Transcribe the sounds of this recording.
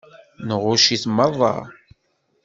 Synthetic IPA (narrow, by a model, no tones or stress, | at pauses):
nəʁʊʃiθmːəðˤːɑ̰